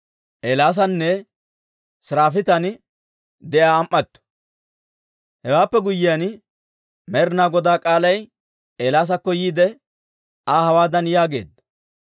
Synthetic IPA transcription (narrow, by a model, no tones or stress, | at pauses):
ʔeːlaːs̬ɐnːɛ | sɾaːfɪt̪ɐn | d̪ɛʔjaːmʔːɐt̪ːɔ̥ | hɛwaːpːɛɡʊjːɪjan | mɛɾnaːɡɔd̪aːkʼaːlɐj | eːlaːs̬ɐkːɔjiːd̪ɛ | aːhɐwaːd̪ɐnjaːɡe̞̰ːd̪ːɐ̥